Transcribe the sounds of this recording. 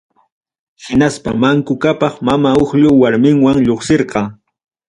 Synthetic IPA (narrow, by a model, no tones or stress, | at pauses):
hɪnaspamaŋkʊkapɑχmamaoχʎʊwaɾmɪŋwaŋʎoχseɾqɑ